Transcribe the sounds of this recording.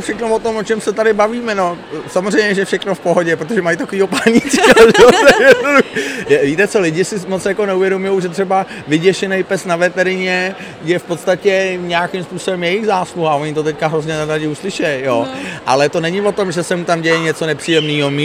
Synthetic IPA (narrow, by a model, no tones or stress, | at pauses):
fʃɛxnovot̪omʔot͡ʃɛmsɛt̪adɪbaviːmɛnosamozr̝ɛjmɲɛʒɛfʃɛxnofpoɦoɟɛpɾot̪oʒɛmajt̪akoviːɦopaɲit͡sikaʒɛosɛjɛdnuduxjɛviːt̪ɛt͡so̞lɪɟɪsɪmott͡sjako̞nɛuvjɛdomʊjowʒɛt̪r̥ɛba | vɪɟɛʃɛnɛjpɛsnavɛt̪ɛɾɪɲɛ | jɛfpot̪st̪acɛɲɛakɪmspuːso̞bɛmjɛjɪxzaːsluɦaʔoɲɪt̪o̞t̪ɛckaɦɾozɲɛnɛɾaɟɪuslɪʃɛjjoʔa̰lɛt̪o̞nɛɲɪvo̞t̪o̞mʒɛsɛmut̪amɟɛjɛɲɛt͡so̞nɛpr̥iːjɛmniːɦomi